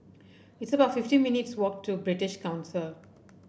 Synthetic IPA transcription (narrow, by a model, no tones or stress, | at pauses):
ɪtsəbaʊʈfɪfʈĩːmɪnɪʈswɔːk̚ʈʰːubɾɪʈɪʃkãʊ̃nsɪl